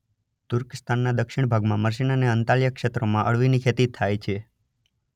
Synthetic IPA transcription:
t̪ʊɾkɪst̪ʰanːad̪əkʃɪɳ̃bʱaɡmãməɾs̬inəneənt̪aljəkʃet̪ɾomãʔəɭʋinikʰet̪it̪ʰːajt͡ʃʰe

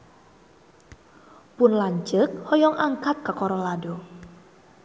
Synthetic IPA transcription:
pʊnlaɲt͡ʃək̚hɔjɔŋʔaŋkat̪̚kakɔɾɔlado

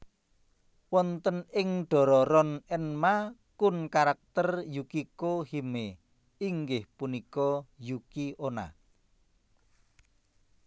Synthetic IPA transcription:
wɔnt̪ənɪŋɖ̥ɔ̤ɾɔɾɔnɛnmakʊnkaɾak̚t̪ərjukikohime | iŋɡɪhpunikɔjukiʔona̰

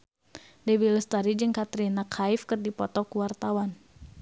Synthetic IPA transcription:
dɛbilst̪aɾid͡ʒɨŋkat̪ɾinakʰaifkɨrdipɔt̪ɔkuwart̪awan

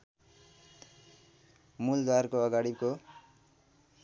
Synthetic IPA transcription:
muld̪warkoʌɡaɽiko

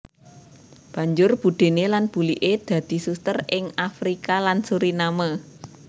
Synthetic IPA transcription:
b̥ä̤ɲd͡ʒʊrb̥ṳd̪̥e̤nelanb̥ṳliʔed̪̥ä̤d̪̥i̤sust̪ərɪŋafɾikalansuɾinama

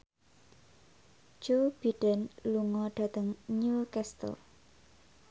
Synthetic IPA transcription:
d͡ʒob̥iɖ̥ənluŋɔɖ̥ä̤t̪əŋnukɛst̪ə̰l

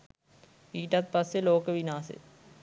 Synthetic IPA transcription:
iːʈɐt̪̚pɐsjeloːkəʋinaːsḛ

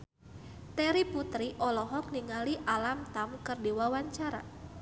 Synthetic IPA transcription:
t̪ɛɾiput̪ɾiʔɔlɔɦɔk̚niŋaliʔalamt̪amkɨrdiwawaɲt͡ʃaɾa̰

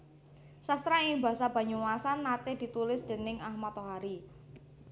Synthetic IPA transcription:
sast̪ɾaiŋba̤sab̥a̤ɲuwasanːat̪ed̪̥i̤t̪ulɪsd̪̥e̤nɪŋahmat̪oɦaɾi

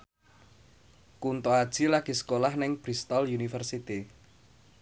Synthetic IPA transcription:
kunt̪oad̥ʒ̥ilaɡ̥i̤sə̥kolahnɪŋb̥ɾist̪ɔljunifərsit̪i

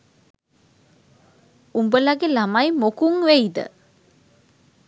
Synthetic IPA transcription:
umbəlaɡelamajmokuŋʋeid̪ə̰

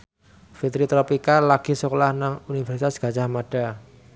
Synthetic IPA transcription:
fit̪ɾit̪ɾopikalaɡ̥i̤səkolahnaŋunifɛrsit̪asɡ̥a̤t͡ʃahmaɖ̥a

